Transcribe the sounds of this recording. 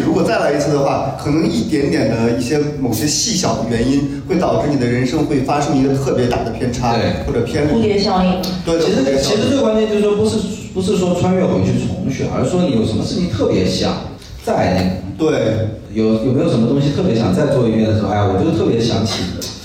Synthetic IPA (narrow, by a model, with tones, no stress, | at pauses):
ɻu˧˥kwɔ˨˩t͡sa˥˩ɪla˧˥i˧˥t͡sʰɹ̩˥˩d̪ə˩xwa˥˩kʰɤ˨˩nɤ˧˥ŋi˥˩t̪jɛ˧˥nt̪jɛ˨˩nd̪ə˦i˥˩ɕjɛ˥mo˨˩ʊɕjɛ˥ɕi˥˩ɕjɑ˨˩ʊd̪ə˦ɥɛ˧˥ni˥nxwe˥˩ɪt̪ɑ˨˩ʊʈ͡ʂɻ̩˥˩ni˨˩d̪ə˦ɻə˧˥nʂɤ˥ŋxwe˥˩ɪfa˥ʂɤ˥ŋi˧˥ɡə˧t̪ʰɤ˥˩pjɛ˧˥t̪a̰˨˩d̪ə˩pʰjɛ˥nʈ͡ʂʰa˥we˥˩ɪxwɔ˥˩ʈ͡ʂɤ˨˩pʰjɛ˥nli˥˩˧ɕjɑ˥ʊi˥˩ | t̪we˥˧ɪt̪ʰi˧˥ʂɻ̩˧˥˩t͡ɕʰi˧˥ʂɻ̩˧˥t̪e˥˩kwa˥nt͡ɕjɛ˥˧nt͡ɕj̩˥˧˥ʂwɔ˥pu˧˥ʂɻ̩˥˧pu˧˥ʂɻ̩˥˩ʂ̬wɔ˥t͡sʰwa˥nɥɛ˥˩xo˧˩i˧˥t͡ɕʰi˥˩t͡sʰʊ˧˥ŋɕɛ̰˨˧˩ʔə̰˞˧˥ʂɻ̩˥˩ʂwɔ˥ni˧˥jo˨˩ʊʂə˧˥nmə˧ʂɻ̩˥˩t͡ɕʰi˥˩t̪ʰɤ˥˩pjɛ˧˥ɕjɑ̰˨˩˦ŋ | t͡sa˥˩ɪna˥˩t̪we˥˩ɪ | jo˨˩ʊjʊme˧˥jo˨˩ʂə˧˥mə˧t̪ʊ˥ŋɕ̬i˧t̪ʰɤ˥˩pjɛ˧˥ɕjɑ˨˩ŋt͡sa˥˧ɪt͡swɔ˥˧i˥pjɛ˥˩nə˩˧˥a˧˩ɔ˨˩˥t̪ʰɤ˥˩pjɛ˧˥ɕjɑ̰˧˥ŋt͡ɕʰḭ˨˩d̪ə˦